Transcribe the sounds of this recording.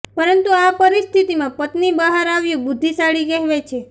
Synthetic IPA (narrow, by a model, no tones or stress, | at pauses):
pəɾənt̪uapəɾist̪ʰit̪imãpət̪nibəɦaɾaʋjũbʊd̪ʱːisaɭikɛɦʋet͡ʃʰe